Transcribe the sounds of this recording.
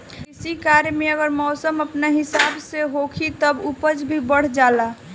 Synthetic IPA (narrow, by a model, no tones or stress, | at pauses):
ɪsikaɾjmeəɡəɾmɔːsəməpnaɦɪsabseɦokʰit̪əbupəd͡ʒbʱibəɽ̤d͡ʒala